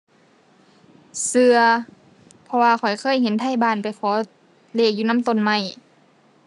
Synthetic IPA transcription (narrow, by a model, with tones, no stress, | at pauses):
sɯ˧ɐ | pʰɔ˧waː˧kʰɔ˨˩jkʰɤː˧˥˨jhe˧˦nt̪ʰa˧˥˨jbaː˧˩˨npa˨˩jkʰɔː˨˦ | leː˧˩k̚juː˧na˧˥˨t̪o˧˩˨nma˧˩j